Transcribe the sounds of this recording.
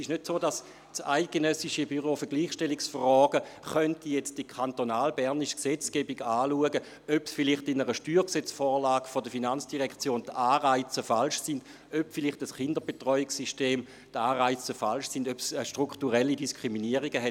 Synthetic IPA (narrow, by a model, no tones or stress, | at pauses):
sɪʃnødsoːdas | saɪt̚ɡ̥enœsiʃəbyʁofəɐɡ̥liːχʃtɛliksfrɔːɡəχœntijɛt͡std̥ikʰantonaːlbɛʁniʃksɛt͡sɡ̥ɛːbiɡaːluəɡə | øpsfilɪχtɪnəʁəʃtyːʁksɛt͡sfɔːʁlaːɡfodəfinant͡sd̥iʁɛkt͡sjoːntaːʁaɪt͡səfalʃsɪnd | øpfiliχtəsχɪndəbetʁɔʏiksisʃteːm | taːʁaɪt͡səfalʃsɪndøpsʃtʁ̥uktuʁɛlːidiskʁ̥iminiəʁiɡəɦɛ